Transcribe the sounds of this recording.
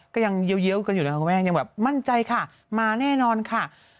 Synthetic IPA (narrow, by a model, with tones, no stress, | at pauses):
kɔː˥˩ja˧ŋji˧˦wji˧˥˦əwka˧nu˨˩na˦ka˥˩kʰu˧˦mɛː˥˩ja˧ŋbɛː˨˩p̚ma˥˩nt͡ɕa˧jkʰa˥˩ | maː˧nɛː˥˩nɔː˧nkʰa˥˩